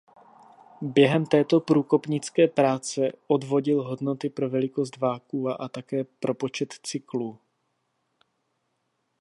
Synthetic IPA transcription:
bjɛɦɛmt̪ɛːt̪o̞pɾuːko̞pɲɪt͡skɛːpɾaːt͡sɛʔo̞dvo̞ɟɪlɦo̞dno̞t̪ɪpɾo̞vɛlɪko̞sd̪vaːkuːaʔat̪akɛːpɾʔo̞po̞t͡ʃɛt̪t͡sɪkluː

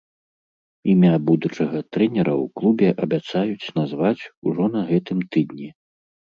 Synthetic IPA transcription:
imʲabud̪ut͡ʂɐɣɐt̪ɾɛnʲɛɾɐwklˠubʲɛʔɐbʲat̪sajut͡sʲnazvat͡sʲuʐɔnɐɣɛt̪ɨmt̪ɨd̪nʲi

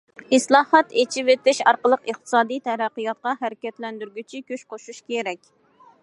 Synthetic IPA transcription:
ɨslˠɑːhɑt̪et͡ʃʰivet̪ɪʃɑɾqəlˠəqəχt̪ʰɨ̥sɑːd̪ijt̪ʰɛɾæqːɨjɑt̪̚qɑɦæɾɪkʲɛt̪lɛnd̪yɾɡʲyt͡ʃʰikʲøʃqʰoʃuʃkʲʰeɾɛkʲ

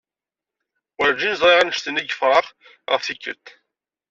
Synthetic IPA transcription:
wəɾd͡ʒinzˤʁiʁanəʃt̪əniɡəfʁˤɑʁ | ʁəfθikːə̰lt̪

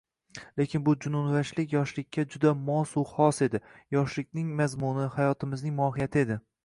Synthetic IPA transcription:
le̞kʲɪnbʊd͡ʒʊnʊnvaʃlɪkʲjɒʃlɪkʲːad͡ʒʊd̪amɒsuχɒse̞d̪ɪjɒʃlɪkʲnɪŋmazmʊnɪhajɒt̪ʰɪmɪznɪŋmɒɦɪjat̪ʰɪe̞d̪ɪ

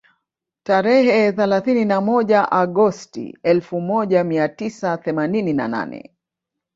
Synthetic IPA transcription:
taɾɛɦɛθɛlaθininamɔʄaʔaɠɔstḭɛlfumɔʄamiatisaθɛmaninina̰na̰nɛ̰

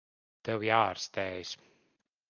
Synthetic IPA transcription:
t̪ɛwjaːɾst̪ɛːjs

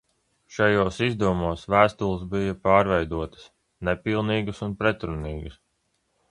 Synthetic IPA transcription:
ʃajoːsizd̪uvumoːsvæːst̪ulˠs̬bijɐpaːɾvɛjd̪uɔt̪ə̥s | nɛpilˠniːɡɨsunpɾɛt̪ɾuniːɡɨs

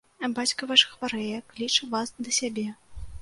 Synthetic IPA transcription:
ɐbat͡sʲkɐvaʂɐ̥xvaɾɛjɐklʲit͡ʂɐvasd̪ɐsʲabʲɛ

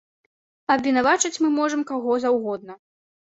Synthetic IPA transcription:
ɐbvʲɛnavat͡ʂɨt͡sʲmɨmɔʐɐmkaɣɔzawɣɔd̪̚nɐ

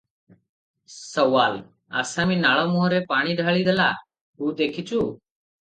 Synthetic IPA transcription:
səʋaːl | a̰ːsãːmĩːnaːɭoːmoːɦɾeːpaːɳ̃iːɖʱaːɭiːd̪əla̰ː | uːd̪eːkʰiːt͡ʃuː

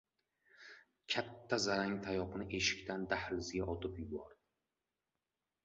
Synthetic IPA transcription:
kʲʰat̪ʰːazaɾaŋt̪ʰajɒqnɪʔe̞ʃɪ̥kʲt̪ʰand̪ahlɪzɪɡʲaʔɒt̪ʰɪpjʊbɒɾd̪ɪ

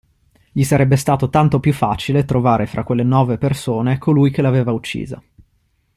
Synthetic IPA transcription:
ʎisaɾɛbːest̪aːt̪ot̪ant̪opjufːa̰ːt͡ʃilet̪ɾovaːɾefɾʔa̰kːwelːenɔːvepersoːnekʰolujk̟elaveːvaut͡ʃːḭːza̰

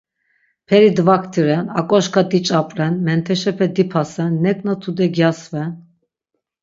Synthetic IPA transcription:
pʰɛɾid̪vakʰt̪ʰiɾɛna̰kʼɔʃkʰad̪it͡ʃʼapʼɾɛnmɛnt̪ʰɛʃɛpʰɛd̪ipʰasɛnːɛkʼnat̪ʰud̪ɛɡjasvɛn

